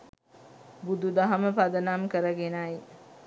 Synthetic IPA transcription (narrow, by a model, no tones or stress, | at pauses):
bud̪ud̪aɦɐməpad̪ənamkəɾəɡenaj